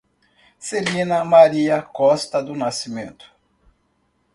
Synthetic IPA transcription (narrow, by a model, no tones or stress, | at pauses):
selĩnɐmaɾiɐkɔst̪ɐd̪ʊnasimẽnt̪ʊ̥